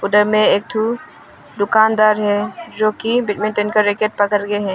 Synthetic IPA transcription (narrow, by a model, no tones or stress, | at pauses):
ʊɖəɾmẽeːk̚t̪ʰu | d̪ʊkaːnd̪aːɾɦɛd͡ʒoːkibɪʈmẽɳʈenkaɾekeʈ̚pəkəɾɡeɦɛ̃ː